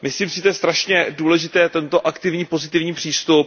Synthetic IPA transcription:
mɪsliːmsɪt̪ɛɛst̪ɾaʃɲɛduːlɛʒɪt̪ɛːt̪ɛnt̪o̞ʔakt̪ɪvɲiːpo̞zɪt̪ɪvɲiːpr̝̥iːst̪up̚

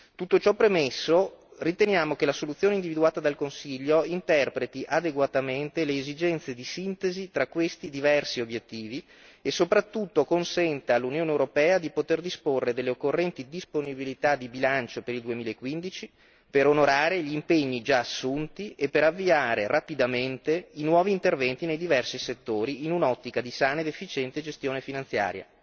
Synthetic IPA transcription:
t̪ut̪ːot͡ʃɔpːɾemesːorit̪enjaːmok̟elasolut̪sːjoːneind̪ivid̪uaːt̪ad̪alkonsiʎːoint̪ɛrpɾet̪iʔad̪eɡwat̪ament̪eleːzid͡ʒɛnt̪sed̪isint̪ezit̪ɾakːwest̪id̪ivɛrsiobjet̪ːiːvi | esopɾat̪ːut̪ːokonsɛnt̪aalːunjoːnewɾopɛːad̪ipot̪erd̪isporːed̪elːeokːorːɛnt̪id̪isponibilit̪ad̪ibilant͡ʃopeɾild̪uemiːlaekːwind̪it͡ʃi | peɾonoɾaːɾeʎiːmpeɲːid͡ʒaːsːunt̪iʔepːeɾavːiaːɾerapid̪ament̪einwɔːviːnt̪ervɛnt̪inejd̪ivɛrsiset̪ːoːɾiːnunɔt̪ːikad̪isaːnaed̪efːit͡ʃɛnt̪ed͡ʒest̪joːnefinant̪sja̰ːɾja̰

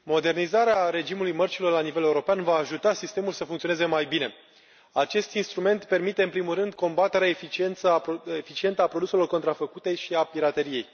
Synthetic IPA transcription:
mo̞d̪e̞rnizaɾeaɾe̞d͡ʒimulujmərt͡ʃilo̞rlanive̞leuɾo̞peanvaːʒut̪asist̪e̞mulsəfuŋk̪t̪ioneze̞majbine̞ | at͡ʃe̞st̪inst̪ɾume̞nt̪pe̞rmit̪eɨnpɾimulrɨnd̪ko̞mbat̪e̞ɾeaefit͡ʃie̞nt̪səefit͡ʃie̞nt̪əapɾod̪use̞lo̞rkont̪ɾafəkut̪e̞ʃiapiɾat̪e̞ɾije̞j

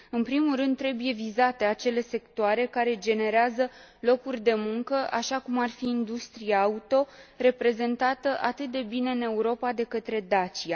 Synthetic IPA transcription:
ɨnpɾimulrɨnd̪tːɾe̞buje̞vizat̪e̞at͡ʃe̞le̞se̞kt̪oaɾe̞kaɾe̞d͡ʒe̞ne̞ɾeazə | lo̞kurʲd̪e̞muŋkəʔaʃakumarfiːnd̪ust̪ɾijaːut̪o̞re̞pɾe̞ze̞nt̪at̪əʔat̪ɨt̪̚d̪e̞bine̞ɨne̞uɾo̞pad̪e̞kət̪ɾe̞d̪at͡ʃia

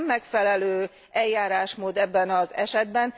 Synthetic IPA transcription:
mːɛkfɛlɛløː | ɛljaːɾaːʃmoːd̪ɛbːɛnɒzɛʃɛd̪bɛn

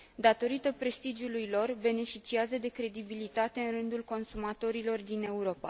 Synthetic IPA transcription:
d̪at̪o̞ɾit̪əpɾe̞st̪id͡ʒulujlo̞rbe̞ne̞fit͡ʃiazəd̪e̞kɾe̞d̪ibilit̪at̪e̞ɨnrɨnd̪ulko̞nsumat̪o̞ɾilo̞rd̪ine̞uɾo̞pa̰

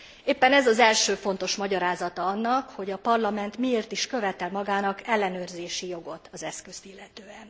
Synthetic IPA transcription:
eːpːɛnɛzɒzɛlʃøːfo̞n̪t̪o̞ʃmɒɟɒɾaːzɒt̪ɒɒnːɒkho̞ɟɒpɒrlɒmɛnt̪mieːrt̪iʃkø̞vɛt̪ɛlmɒɡaːnɒkɛlːɛnøːrzeːʃijo̞ɡo̞t̪ɒzɛskøst̪ilːɛt̪øːɛn

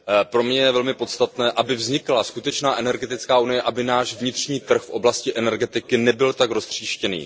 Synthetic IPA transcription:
pɾo̞mɲɛjɛvɛlmɪpo̞t̪st̪at̪nɛːʔabɪvzɲɪklaskut̪ɛt͡ʃnaːʔɛnɛɾɡɛt̪ɪt͡skaːʔunɪjɛʔabɪnaːʃvɲɪt̪r̝̥ɲiːt̪r̩xfʔo̞blascɪʔɛnɛɾɡɛt̪ɪkɪnɛbɪlt̪akɾo̞st̪r̝̥iːʃcɛnḭː

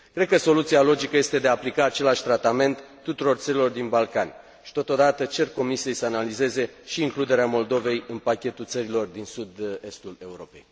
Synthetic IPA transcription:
kɾe̞d̪̚kəso̞lut̪sialo̞d͡ʒikəje̞st̪e̞d̪e̞aːplikaːt͡ʃe̞laʃʲt̪ɾat̪ame̞nt̪ːut̪uɾo̞rt̪səɾilo̞rd̪inbalkanʲ | ʃi̥t̪o̞t̪o̞d̪at̪ət͡ʃe̞rko̞misije̞jsəanalize̞ze̞ʃiːŋklud̪e̞ɾeamo̞ld̪o̞ve̞jɨnpakʲe̞t̪ult̪səɾilo̞rd̪insud̪e̞st̪ule̞uɾo̞pe̞j

